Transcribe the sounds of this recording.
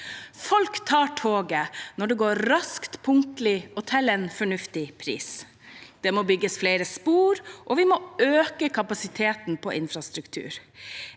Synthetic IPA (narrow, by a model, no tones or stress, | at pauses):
fɔlkt̪ʰɑːʈʰoːɡənɔɖɛɡoːɾɾɑskt̪pʰʊŋt̪lɪʊt̪ʰɛlɛnfɔɳʉft̪ɪpʰɾḭːs | d̪̥ɛmɔːbʏɡːəsfleɪɾəspuːɾʔɔʋɪmɔːøːkəkʰɑpɑsɪt̪ʰeːt̪n̩pʰɔʔɪnfɾɑst̪ɾʉkt̪ʰʉ̰ːɾ